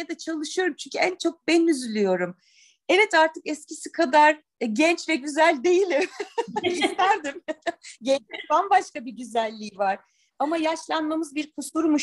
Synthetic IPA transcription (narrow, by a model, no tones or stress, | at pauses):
ad̪at͡ʃʰalˠɯʃɯjo̞ɾumt͡ʃʰynɲʲcʰyænt͡ʃʰo̞k̚bɛnyzylʲyjo̞ɾum | ɛvɛt̪aɾt̪ʰɯkɛscʰisikʰad̪aɾ̥ | ɟɛnt͡ʃvɛɟyzælʲd̪e̞jilʲim | ist̪æɾd̪imɟɛnt͡ʃlʲinb̪anbaʃkabiɟyzælʲːiːvaɾ̥ | amajaʃlˠanmamɯzbiɾkʰusuɾmuʃ